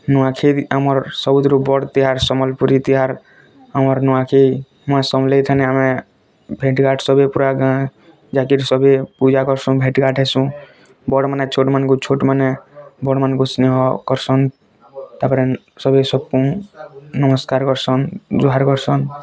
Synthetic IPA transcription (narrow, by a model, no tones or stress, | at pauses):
nɔãkʰit̪amɔɾsɔbut̪ɾubɔɽt̪iɦaɾsɔmɔlpuɾit̪iɦaɾ | amɔɾnɔakʰi | mãsɔmlet̪ʰanɛamẽ | bʱeʈɡaʈʰsɔbepuɾaɡã | d͡ʒakiɾsɔbepud͡ʒakɔɾsũbʱeʈɡaʈʰɛsũ | bɔɽmanet͡ʃʰoʈmankut͡ʃʰoʈmanebɔɽmankusneɦɔkɔɾsɔn | t̪apəɾɛ | sɔbesɔbkũ | nəməskaɾkɔɾsɔnd͡ʒuɦaɾkɔɾsɔn